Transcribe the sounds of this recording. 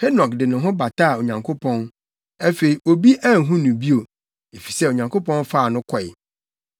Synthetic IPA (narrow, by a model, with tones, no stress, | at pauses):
hɛ˦nɔ˨kdɪ˨nʊ̃˨ɦʊ̃˦ba˨tʰa˦˨o˨ɲã˨ŋkʰo˦pʰɔ̃˦n | æ˦fe˨ɾi˨ʔo˨bi˦ʔa˦n˨ɦũ˦nʊ̃˨bi˦o˨ | e˨fi̥˨sɛ˦o˨ɲã˨ŋkʰo˦pɔ̃˦nfa˦˨nʊ̃˦kʰɔ˨ɪ̰˨